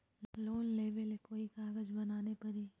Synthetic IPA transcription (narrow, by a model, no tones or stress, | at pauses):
loːnleːʋəlekoːikaːɡəd͡ʒbɐnaːnepɐɾiː